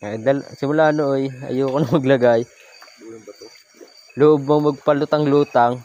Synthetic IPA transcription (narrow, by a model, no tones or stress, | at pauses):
ad̪ɐl̰sɪmʊlaːnoʔojʔɐ̰joːkonɐŋmɐɡlɐɡaj | lʊʔob̚moŋmɐɡ̚pɐlʊt̪ɐŋluːt̪aŋ